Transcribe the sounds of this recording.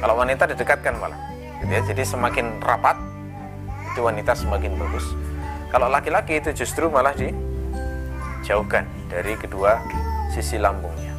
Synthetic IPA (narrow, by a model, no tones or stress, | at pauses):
kalowanit̪adidəkat̪̚kanma̰la̰h | ɡit̪ujad͡ʒadisəmakɪnrapat̪̚ | it̪uwanit̪asəmakɪnbaɡʊskaloʔlakilakiːt̪ud͡ʒust̪ɾumalahdi | d͡ʒaʊhka̰n | daɾikəduasisilambʊŋɲa